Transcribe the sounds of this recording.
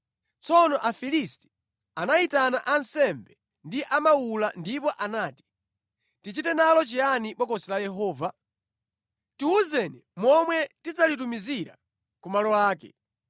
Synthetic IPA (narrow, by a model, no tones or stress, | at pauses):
t͡sɔnɔʔafilisti̥ | anaitanaʔansɛmbɛ | ndiʔamaulandipɔʔanaːti̥ | tit͡ʃitɛnalɔt͡ʃianipɔkɔsilajɛɦɔːva | tiuzɛnɛmwɔmwɛtit͡salitumiziɾa̰ | kumalɔwaːkɛ̰